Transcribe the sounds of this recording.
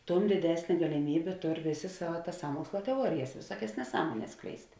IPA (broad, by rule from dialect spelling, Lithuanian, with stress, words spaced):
ˈtʊm dʲɪˈdʲæːsʲnʲeː ɡɐlʲɪˈmʲiːbʲeː ˈtoːr ˈʋʲeːˌsʲeː ˈsɑːʋɐ ˈtɐs ˈsɑːmuɔkslˠɐ tʲɛˈuɔrʲɪjɛs ʋʲɪˈsuɔkʲɛs nʲɛˈsɑːmuɔnʲɛs ˈsklʲɛɪsʲtʲ